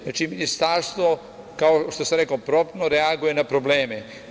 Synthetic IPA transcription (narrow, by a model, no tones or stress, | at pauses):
naːt͡ʃiminist̪aɾst̪ʋo | kaoʃt̪osamɾekopɾopnoɾeaɡuje̞napɾobleːme